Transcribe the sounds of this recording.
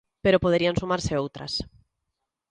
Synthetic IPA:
peɾopoð̞eɾiansumaɾseowt̪ɾa̰s

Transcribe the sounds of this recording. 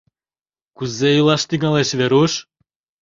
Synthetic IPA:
kuzejulˠɑʃt̪iɡɑleʃveɾuʃ

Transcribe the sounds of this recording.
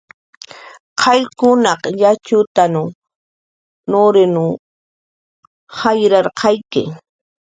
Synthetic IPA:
qʰɑjkʊnɑqjat͡ʃʊt̪anʊ | noɾɪnʊ | hɑjɾɑɾqʰɑjkɪ̰

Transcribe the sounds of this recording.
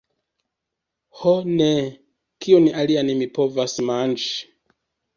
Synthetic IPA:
hɔnɛ | kʰiɔniʔalianimipɔvasimand͡ʒi

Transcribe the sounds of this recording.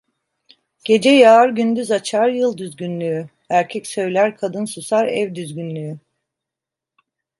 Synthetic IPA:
ɟ̥e̞d͡ʒɛjaːɾɟynd̪yzat͡ʃʰaɾjɯlˠd̪yzɟʲynlʲyy | æɾcʰɛcsø̞jlʲæɾkʰad̪ɯnsusaɾɛvd̪yzɡynlʲyy

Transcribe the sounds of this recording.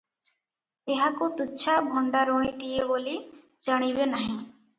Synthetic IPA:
eɦakot̪utːʃʰabʱɔɳɖaɾoɽ̃iʈieboli | d͡ʒaɽ̃ibenaɦĩ

